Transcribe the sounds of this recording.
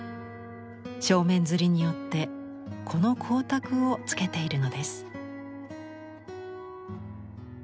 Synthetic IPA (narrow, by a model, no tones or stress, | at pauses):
ɕo̞ːmẽ̞nd͡zɨɾʲiɲ̟ijo̞t̪ːe̞ | kʰo̞no̞kʰo̞ːt̪akɯ̟o̞t͡sɨ̥ke̞t̪e̞iɾɯ̟no̞d̪e̞sɨ̥